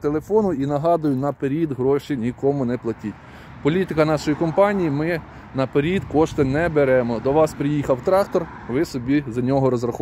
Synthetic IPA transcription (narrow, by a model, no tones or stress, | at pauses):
t̪elˠefɔnʊinɐɦɑd̪ʊjʊnɐpeɾʲid̪ɦɾɔʃinʲikɔmʊnɛplˠɐtʲit̚ʲ | pɔlʲit̪ɪkɐnɑʃɔjikɔmpɑnʲijimɪ | nɐpeɾʲid̪kɔʃt̪ɪnɛbeɾɛmɔd̪ɔʋɑspɾʲɪjixɐwt̪ɾɑkt̪ɔr | ʋɪsɔbʲizɐnʲɔɦɔɾɔzrɐx